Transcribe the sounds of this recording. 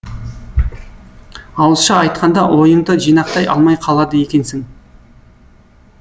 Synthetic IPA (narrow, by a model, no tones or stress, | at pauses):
ɑwəlˠʃɑɑjt̪qʰɑnd̪ɑwʔo̞jəɴd̪əʒijnɑqt̪ɑjɑ̰lˠmɑjqʰɑlˠɑd̪əje̞kʲe̞nsɪŋ